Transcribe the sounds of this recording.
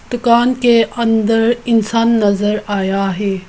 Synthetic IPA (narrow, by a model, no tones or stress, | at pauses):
d̪̥ʊkaːnkeʔɐ̃nd̪əɾɪnsaːnːɐzəɾaːjaɦeː